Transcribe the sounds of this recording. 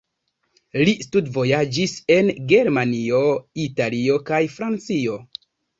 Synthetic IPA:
listudvo̞jad͡ʒise̞nɡe̞ɾmanio̞italio̞kajfɾant͡sio̞

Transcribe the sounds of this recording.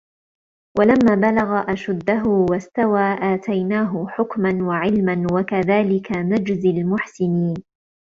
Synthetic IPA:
wʔalamːaːbalaɣaʔaʃʊd̪ːaɦʊwast̪awaːʔaːt̪ajnaːɦʊħʊkmanwaʕɪlmanwakaðaːlɪkanad͡ʒzalmʊħsɪniːn

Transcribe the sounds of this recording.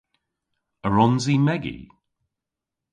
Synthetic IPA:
əɹɔnzimɛɡḭ

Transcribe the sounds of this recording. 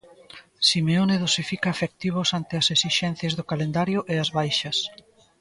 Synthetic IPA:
simeoneðosifikaːfek̚t̪iβ̞ʊsant̪ɪɐsesiʃɛn̟θjɐzðokalend̪aɾjʊʔeɐzβajʃɐs

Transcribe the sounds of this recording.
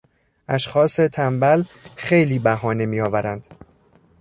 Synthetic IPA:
ʔæʃxɒːset̪ʰæmbælxe̞jliːbæɦɒːne̞miːjɒːvæɾænd̪̥

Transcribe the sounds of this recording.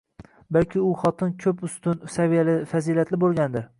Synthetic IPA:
balkʲʰɪʊχɒt̪ʰɪnkʲʰɵpʊst̪ʊnsavijalɪfaziːlat̪lɪbolˠɡʲand̪ɪɾ

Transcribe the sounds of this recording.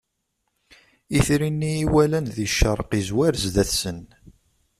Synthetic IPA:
iθɾinːiːwælænðiʃːəɾˤqizwæɾzðæθsən

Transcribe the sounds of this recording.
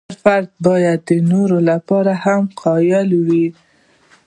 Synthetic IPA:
aɾfaɾd̪̚bɑjad̪ːənoɾolapɑɾahamqʰɑjalwi

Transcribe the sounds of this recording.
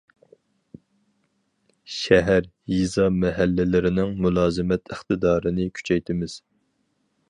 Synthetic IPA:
ʃɛɦæɾ | jizɑmɛɦælːɪlɪɾɪnɪŋmulˠɑːzɨmɛt̪ʰɪχt̪ɨd̪ɑːɾɨnɪkʲʰy̥t͡ʃʰɛjt̪ʰɪmɪz̥

